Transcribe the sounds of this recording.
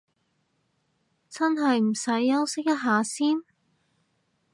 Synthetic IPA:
t͡sɐ˥nɦɐ˨jm̩˨˩sɐ˨˥jːɐ˥wsɪ˥k̚jɐ˥t̚ɦaː˨˧siː˥n

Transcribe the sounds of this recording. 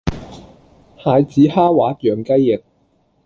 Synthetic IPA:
haː˨˧jt͡siː˨˥haː˥waː˨˦˥t̚jœː˨ŋkɐ˥jːɪ˨˩k̚

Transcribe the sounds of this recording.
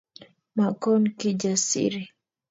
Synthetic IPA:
ma˨kɔ˦nki˦d͡ʒa˨sḭɾi˨

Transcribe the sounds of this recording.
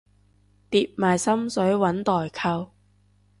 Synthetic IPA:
t̪iː˧p̚maː˨jsɐ˥msɵ˨˥ɥwɐ˨˥nt̪ɔː˨˩jkʰɐ˧w

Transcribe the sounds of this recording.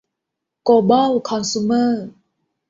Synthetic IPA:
ko˧bɔ˥wkʰɔ˧nsu˧mə˥˩

